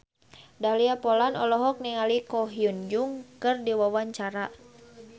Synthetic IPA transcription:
daliapɔlanɔlɔɦɔk̚niŋalikɔɦiund͡ʒuŋkɨrdiwawaɲt͡ʃaɾa

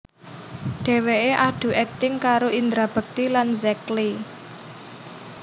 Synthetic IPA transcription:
ɖ̪̥e̤weʔeʔaɖ̪̥ṳʔɛk̚t̪ɪŋkaɾoʔind̪ɾab̥ə̤k̚t̪ilanzɛkli

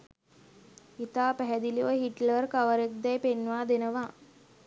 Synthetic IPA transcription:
it̪aːpæɦɛd̪iliʋəɦiʈlərkaʋəɾek̚d̪ɛjpenʋaːd̪enəʋa

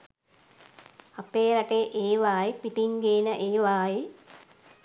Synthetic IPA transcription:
apeːɾaʈeʔeːʋaːjipiʈiŋɡeːnəʔeːʋaːji

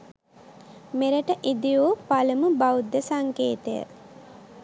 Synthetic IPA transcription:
meɾəʈəʔid̪ijoːpaləməbawud̪ːəsaŋkeːt̪əjə̰

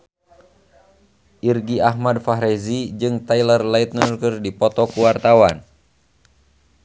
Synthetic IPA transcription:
ʔirɡiahmadfaɦɾɛzid͡ʒɨŋt̪ajlərlait̪̚nərkɨrdipɔt̪ɔkuwart̪awan

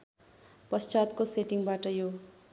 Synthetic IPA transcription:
pʌst͡ʃat̪koseʈiŋbaʈʌjo

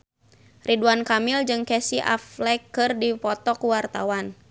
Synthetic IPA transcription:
riduankamɪld͡ʒɨŋkɛsiʔa̰flɛkːɨrdipɔt̪ɔkuwart̪awan

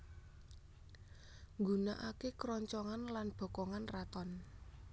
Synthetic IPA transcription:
ŋɡunaʔakekɾɔɲt͡ʃɔŋanlanb̥ɔ̤kɔŋanrat̪ɔn

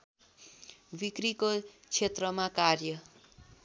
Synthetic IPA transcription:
bikriko | t͡sʰet̪rʌmakarjʌ

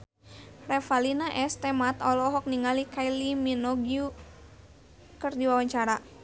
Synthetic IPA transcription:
rɛfalinaʔɛst̪ɛmat̪ɔlɔɦɔk̚niŋalikailiminɔɡiu | kɨrdiwawaɲt͡ʃaɾa

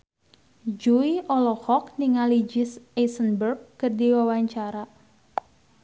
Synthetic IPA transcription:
d͡ʒuiʔɔlɔhɔk̚niŋalid͡ʒɪsesənbərɡ̚ːərdiwawaɲt͡ʃaɾa

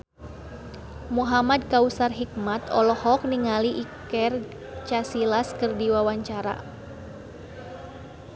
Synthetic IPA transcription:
muɦamad̚kausarɦik̚mat̪ɔlɔhɔk̚niŋaliʔikɛr | t͡ʃasilaskɨrdiwawaɲt͡ʃaɾa̰

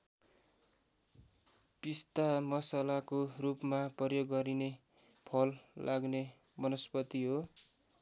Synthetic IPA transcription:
pist̪amʌsalakorupmaprʌjoɡːʌɾine | pʰʌlːʔaɡne | bʌnʌspʌt̪iɦo

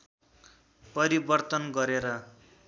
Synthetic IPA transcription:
pʌɾibʌrt̪ʌnɡʌɾeɾʌ

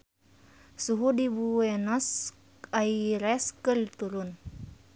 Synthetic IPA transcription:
suɦudibuɛnɔs | aiɾɛskɨrit̪uɾun

